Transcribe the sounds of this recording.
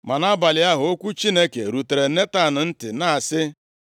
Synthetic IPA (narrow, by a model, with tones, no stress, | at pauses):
ma˨na˦ba˨lɪ˨˦a˦ɦʊ˨o˦kʷu˦t͡ʃi˦ne˦ke˨ɾu˨te˨ɾe˨ne˦ta˦˨nʊ˨n̩˦tɪ̰˨na˦a˨sɪ˦